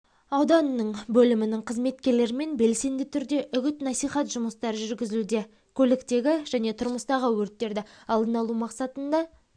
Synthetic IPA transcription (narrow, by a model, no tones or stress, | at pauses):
ɑwd̪ɑnːəɴbɵlɪmɪnɪŋqʰəzme̞t̪kʲe̞ɾle̞ɾɪme̞nbe̞lse̞nd̪ɪt̪ʰʏɾd̪e̞ʔʏɡʲɪt̪nɑsijχɑt̪ʒ̥ʊməst̪ɑɾəʒʏɾɡʲɪzɪlud̪e̞ | kʲʰɵlɪkt̪e̞ɡʲɪʒ̥æne̞t̪ʰʊɾməst̪ɑʁəwɵɾt̪ːe̞ɾd̪ɪɑlˠd̪ənɑlˠumɑqsɑt̪ənd̪ɑ